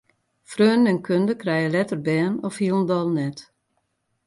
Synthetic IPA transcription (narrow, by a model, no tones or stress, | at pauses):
frøːnnɛnkʰøndəkrɛjəlɛtərbɛːnɔfhiəlˠn̩dɔlˠnɛt